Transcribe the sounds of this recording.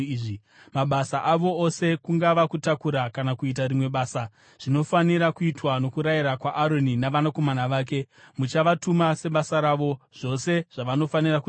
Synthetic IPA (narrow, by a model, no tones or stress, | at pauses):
ʐi | maɓasaʔaʋo̞ose̞kuŋɡaʋakutakuɾakanakuit̬arimwe̞ɓaːsa | ʐ̥ino̞faniɾakuitwano̞kuɾaiɾakwaʔaɾo̞ninaʋanako̞manaʋaːk̬e̞ | mut͡ʃaʋatumase̞ɓasaɾaʋo̞ʐ̥o̞se̞ʐ̥aʋano̞faniraku